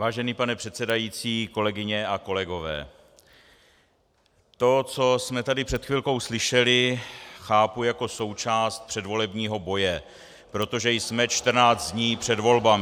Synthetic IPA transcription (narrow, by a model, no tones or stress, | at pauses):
vaːʒɛniːpanɛpr̥ɛt̪sɛdajiːt͡siːko̞lɛɡɪɲɛako̞lɛɡo̞vɛ̰ː | t̪o̞t͡so̞smɛt̪adɪpr̥ɛt̪xvɪlko̞wslɪʃɛlɪxaːpujako̞so̞wt͡ʃaːst̪̚pr̥ɛdvo̞lɛbɲiːɦo̞bo̞jɛ | pɾo̞t̪o̞ʒɛjsmɛt͡ʃt̪r̩naːd͡z̪d̪ɲiːpr̝̥ɛdvo̞lbam